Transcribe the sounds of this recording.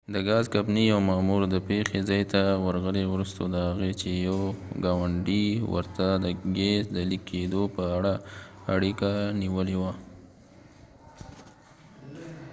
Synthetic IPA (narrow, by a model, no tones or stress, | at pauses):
d̪əɡɑzkapnijawmɑmuɾd̪əpexezɑjt̪awəɾɣəlewɾust̪od̪əhaɣet͡ʃejawɡɑwaɳɖiwə̰ɾt̪ad̪əɡesd̪əlikʰːed̪opəaɽaaɽikaniwəlewa